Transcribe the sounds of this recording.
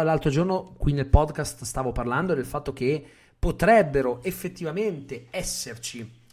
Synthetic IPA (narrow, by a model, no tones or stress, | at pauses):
alːalt̪ɾod͡ʒornokwinːelpɔd̪kast̪st̪aːvoparland̪od̪elfat̪ːok̟e | pːot̪ɾɛbːeɾoefːet̪ːivament̪eɛsːert͡ʃi